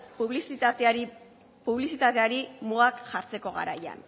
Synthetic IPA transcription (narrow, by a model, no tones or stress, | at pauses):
puβlisiat̪aɾi | puβlisit̪at̪e̞aɾimuɣakʝaɾt͡se̞ko̞ɣa̰ɾa̰ja̰n